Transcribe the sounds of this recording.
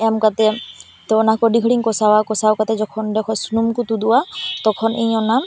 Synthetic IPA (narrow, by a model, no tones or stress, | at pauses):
ɛmkat̪ɛ | t̪ɛɔnakɔdikʰɔɽiŋkɔsawakɔsawkat̪ɛzɔkʰɔndɛkʰɔsunumkut̪uduwat̪ɔkʰɔnejɔnam